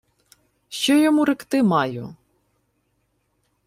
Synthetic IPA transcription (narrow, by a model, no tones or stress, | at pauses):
ʃt͡ʃɔjɔmuɾɪkt̪ɪmɑjʊ